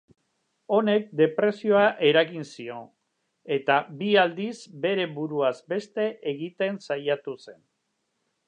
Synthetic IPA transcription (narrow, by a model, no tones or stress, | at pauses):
o̞ne̞k̚d̪e̞pɾe̞sio̞aʔe̞ɾaɣinsio̞ | e̞t̪abiald̪izbe̞ɾe̞βuɾuazbe̞st̪e̞ʔeɣit̪e̞nsajat̪use̞n